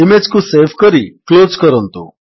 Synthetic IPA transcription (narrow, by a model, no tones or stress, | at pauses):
ɪmed͡ʒkũseʋkəɾiklozkəɾənt̪ṵ̃